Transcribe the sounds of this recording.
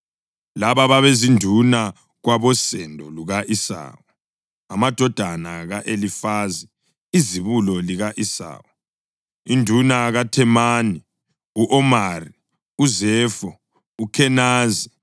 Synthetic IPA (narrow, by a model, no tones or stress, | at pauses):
laβaβaβezindʱuna | ɣwaβɔsɛndʱɔluɣaʔisa̰ːwɔ | amad̥ʱɔd̥ʱanaɣaʔelifazi | iziβulɔliɣaʔisa̰ːwɔ | indʱunaɣatʰɛmani | uʔɔmari | uzɛːfɔ | ukʰɛnaːzi